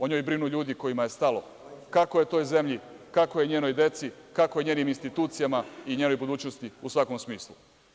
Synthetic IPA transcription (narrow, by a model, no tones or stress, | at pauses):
o̞ɲoːjbɾinuʎuːd̪iko̞jimaje̞st̪alo̞ | kakojet̪o̞ːjze̞mʎikakojeɲe̞ːno̞jd̪e̞t̪sikako̞jeɲeːniminst̪it̪uːt̪sijamaiɲeːno̞jbud̪uːt͡ɕnost̪iusʋako̞msmiːslˠu